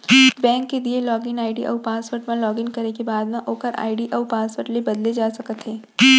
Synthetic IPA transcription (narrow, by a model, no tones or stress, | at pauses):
bɛ̃ːŋkːelielɔːɡɪnaːɪɖiʔɔ̰ːʋpaːsʋəɾʈ̚məɐlɔːɡɪnkɐɾekebaːd̪mẽʔoːkəɾʔa̰ːɪɖiʔɔːʋpaːsʋəɾʈlebɐd̪led͡ʒaːsɐkət̪ʰɦeː